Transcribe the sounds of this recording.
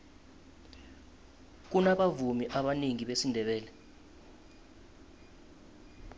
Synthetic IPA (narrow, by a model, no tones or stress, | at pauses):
k̬unaɓavumiʔaɓaniŋiɓesindʱɛɓɛːlɛ